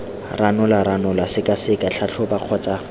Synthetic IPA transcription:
rʔanʊlaɾanʊlasɪkʼasɪkat͡ɬʰat͡ɬʰʊbaq͡χʰɔt͡sʼa

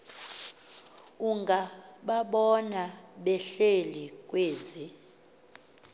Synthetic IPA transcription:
uŋɡʱaɓaɓɔnaɓɛɬelik̬ʼweːzi

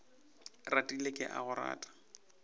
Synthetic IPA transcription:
ratʼilekʼɪʔaɣʊra̰ːtʼḁ

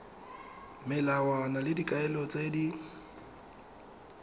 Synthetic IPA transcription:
mɪlawanalɪdikʼaɛlɔt͡sʼedi

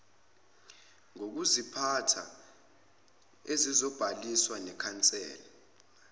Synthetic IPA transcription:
ŋok̬uzipʰatʰa̰ | ezizɔb̥ʱaliswanɛkʰant͡sʼɛ̰ːlɔ

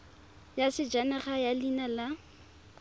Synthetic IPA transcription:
jasɪd͡ʒanɛχajalinala

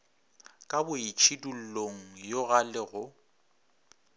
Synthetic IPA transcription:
kʼabʊit͡ʃʰidul̩loŋ̩joɣalɪɣʊ

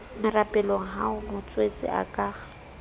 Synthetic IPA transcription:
mɪrapʼɛloŋ̩ɦaʊmʊt͡sʼwet͡sʼɪ̰ʔa̰kʼaː

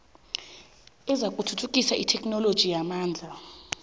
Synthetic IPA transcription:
ɛzakʼutʰutʰukʼisaʔitʰɛkʼnɔlod̥ʒ̥ʱijamaːnd͡ɮʱa

